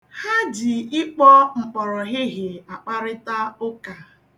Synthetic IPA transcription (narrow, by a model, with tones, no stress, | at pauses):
ha˦d͡ʒɪ˨ɪ˦k͡pɔ˦ŋ͡m̩˨k͡pɔ˨ɾɔ˨ɣɪ˦ɦɪ˨a˨k͡pa˦ɾɪ˦ta˦o˦ka˨